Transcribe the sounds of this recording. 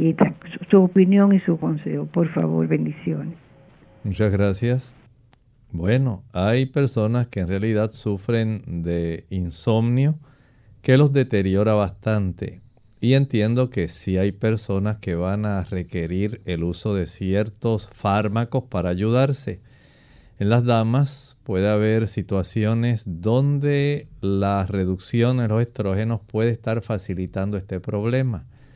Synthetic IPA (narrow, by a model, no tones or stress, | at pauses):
et̪asu̥suopinjo̞ŋisukonsḛhopoɾfa̰βo̞̰ɾβe̞nd̪isjones | mut͡ʃazɣɾasjas | bwe̞no̞ajpe̞ɾso̞naske̞eːnrealiðad̪sufɾe̞nd̪e̞inso̞mnjo | ke̞lo̞zðe̞t̪e̞ɾjo̞ɾaβast̪ant̪e̞̰ | ie̞nt̪je̞nd̪o̞ke̞siajpe̞ɾso̞naske̞βanare̞ke̞ɾiɾe̞luso̞ðe̞sje̞ɾt̪o̞sfaɾmako̞spaɾaːʝuðaɾse̞ | enlazðamaspwe̞ð̞eaβe̞ɾsit̪wasjo̞ne̞sd̪o̞nd̪elare̞ðuksjo̞nd̪elo̞se̞st̪ɾo̞xe̞no̞spwe̞ð̞eest̪aɾfasilit̪and̪oe̞st̪e̞pɾo̞βle̞ma